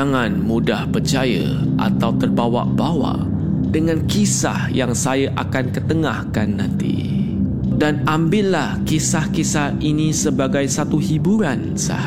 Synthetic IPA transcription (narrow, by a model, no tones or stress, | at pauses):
ŋanmudahpərt͡ʃajə̰ | ʔa̰t̪awt̪ərbawa̰ʔbawa̰ʔ | dəŋãnkisa̰hjaŋsajaʔakankət̪əŋahkanːãnt̪ḭ | danambɪlahkisahkisahinisəbaɡajsat̪uhibuɾan | sa̰h